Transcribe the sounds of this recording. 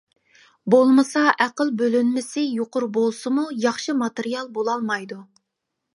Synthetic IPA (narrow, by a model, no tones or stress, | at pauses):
bolˠmɨsɑʔæqəlˠbølynmɪsɪjoqʊɾbolˠsɨmujɑχʃɨmɑt̪eɾijɑlˠbolˠɑlˠmɑjd̪u